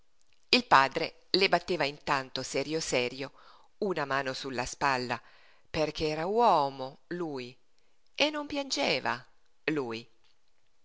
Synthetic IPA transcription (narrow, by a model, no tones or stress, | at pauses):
ilpaːd̪ɾe | lebat̪ːeːvaint̪ant̪osɛːɾjosɛːɾjo | unamaːnosulːaspalːa | perkʰeɛːɾawɔːmoluːi | enːompjand͡ʒeːva̰ | luːj